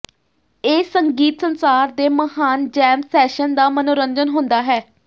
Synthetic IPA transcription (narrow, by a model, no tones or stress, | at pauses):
eːsəŋɡiːt̪sənsaːɾd̪eːməhaːnd͡ʒɛːmsɛːʃənd̪aːmənoːɾənd͡ʒənɦʊ̃nd̪aːɦɛː